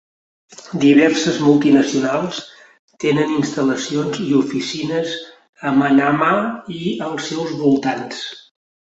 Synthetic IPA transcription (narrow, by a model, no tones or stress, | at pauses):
d̪iβ̞ɛrsəzmulˠt̪inəsiunalˠs | t̪enəninst̪ələsionziufisinəz | əmənamaiəlˠsɛwzβulˠt̪ans